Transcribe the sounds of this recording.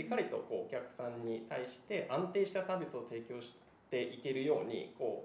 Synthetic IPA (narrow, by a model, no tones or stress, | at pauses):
ikːaɾʲit̪o̞̰ko̞ːokʲakɯ̟̥sãɲ̟ːit̪aiɕi̥t̪e̞ʔãnt̪e̞ːɕi̥t̪asaːbʲisɨo̞t̪e̞ːkʲo̞ːɕi̥ | t̪e̞ʔike̞ɾɯ̟jo̞ːɲ̟ḭko̞ː